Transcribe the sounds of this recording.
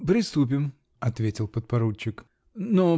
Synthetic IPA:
pɾʲɪst̪up̬ʲɪm | ɐt̪vʲetʲɪlˠpət̪̚pɐɾut͡ɕːɪk | no

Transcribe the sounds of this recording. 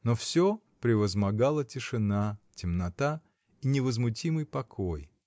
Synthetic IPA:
nofsʲo | pɾʲɪvəzmɐɡalˠətʲɪʂɨnatʲɪmnɐt̪a | inʲɪvəzmʊtʲimɨjpɐkʰoj

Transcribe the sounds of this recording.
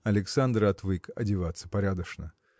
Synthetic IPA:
ɐlʲɪksand̪ɾɐt̪vɨkɐ̰dʲɪvat̪sːəpɐɾʲad̪əʂnə

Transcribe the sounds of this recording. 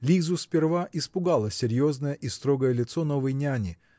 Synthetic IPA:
lʲizʊspʲɪrvaʔɪspʊɡalˠəsʲɪɾʲjo̞znəjəʔist̪ɾo̞ɡəjəlʲɪt̪sono̞vəjnʲanʲɪ

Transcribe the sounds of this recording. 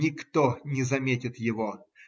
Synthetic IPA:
ɪkt̪onʲɪzɐmʲetʲɪt̪jɪvo

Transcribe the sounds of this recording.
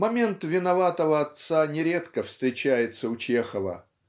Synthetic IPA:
mɐmʲe̞nt̪vʲɪnɐvat̪əvəɐt̪sanʲɪɾʲe̞t̪kəfst̪ɾʲɪt͡ɕæjɪt̪səʊt͡ɕe̞xəvə̰

